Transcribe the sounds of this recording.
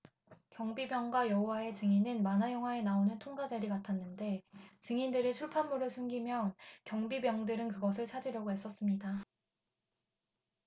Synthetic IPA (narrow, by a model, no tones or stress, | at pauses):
kjʌŋbibjʌŋɡwajʌɦowae̞t͡ɕɯŋinɯnmanajʌŋɦwae̞naonɯntʰoŋɡad͡ʑeɾiɡatʰanːɯnde̞t͡ɕɯŋindɯɾɯt͡ɕʰuɭpʰanmuɾɯsʰunɡimjʌnkjʌŋbibjʌŋdɯɾɯnkɯɡʌsʰɯɭt͡ɕʰad͡ʑiɾjʌɡoɦe̞s͈ʌs͈ɯmɲida